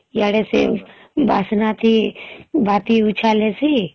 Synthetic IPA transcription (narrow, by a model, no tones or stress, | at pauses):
jaɽesḛ | ba̰ːsnat̪ʰibaːt̪iut͡ʃʰaːlesi